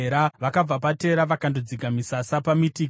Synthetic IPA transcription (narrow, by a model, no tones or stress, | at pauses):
ɾaʋakab͡vapate̞ɾaʋakandod͡ziɡʱamisasapamitiːk